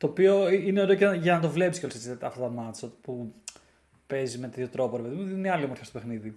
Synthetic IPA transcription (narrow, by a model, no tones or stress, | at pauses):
t̪oːpio̞iineoɾe̞oceʝɐnɐt̪̬o̞vle̞piskʲcolosesit̪ɐt̪ɐft̪ɐt̪ɐmɐsot̪i̥pu | pe̞zimet̪e̞t̪ço̞t̪ɾo̞po̞ɾepe̞ðimuðnineɐliomoɾtçast̪opexniði